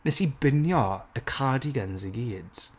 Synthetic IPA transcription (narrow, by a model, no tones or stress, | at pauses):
nɛsibɪnjɔəkʰaːdiɡənzəɡiːd̥z̥